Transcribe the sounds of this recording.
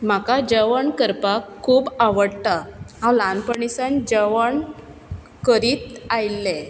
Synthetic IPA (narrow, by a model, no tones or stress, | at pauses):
m̤akad͡ʑəʋəɳkəɾpakʰːuːbaʋəɽt̪aɦãwlanpəɳisand͡ʑəʋəɳ | kəɾiːt̪ajlːẽ